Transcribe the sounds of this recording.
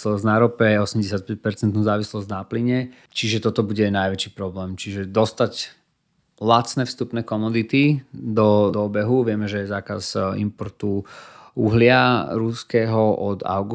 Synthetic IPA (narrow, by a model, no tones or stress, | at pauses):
slɔznaɾɔpɛɔsɛmɟɛsɪjat̪̚pɛc̚pɛɾt͡sɛnt̪nuːzaːʋislɔznapliɲɛ | t͡ʃiʒɛt̪ɔt̪ɔbuɟɛnajʋɛt͡ʃiːpɾɔblɛːmt͡ʃiʒɛd̪ɔst̪aɟ | lat̪t͡snɛːfst̪upnɛːkɔmɔd̪it̪id̪ɔd̪ɔbɛɦuʋɪɛmɛʒɛɛzaːkazḭmpɔɾt̪uuɦlɪaɾuskɛːɦɔʔɔd̪a̰ʊɡu